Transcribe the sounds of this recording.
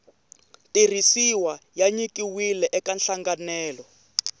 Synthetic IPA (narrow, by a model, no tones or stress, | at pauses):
tir̤isiwajaɲikiwilɛʔɛkanɬaŋɡanɛːlɔ